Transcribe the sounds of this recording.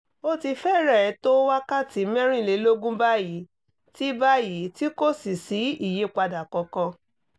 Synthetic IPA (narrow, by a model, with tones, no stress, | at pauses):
o˦ti˧fɛ˦˨ɾɛ˦˨ɛ˨˧˦to˦wa˦ka˦˨ti˨˦mɛ̃˦ɾ̃ĩ˦˨le˨˦lo˦ɡũ˦ba˦˨ji˨˦ | ti˦ba˦ji˨˦ti˦ko˦si˨si˨˦i˦˨je˨˦˨k͡pa˧da˨kɔ˨˧kɔ̃˧